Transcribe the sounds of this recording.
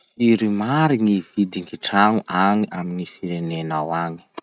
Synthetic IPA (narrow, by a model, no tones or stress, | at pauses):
fiɾimaɾiŋiv̥id̪iŋkiʈ͡ʂaŋuʔaŋiʔaminifiɾenenawaŋi̥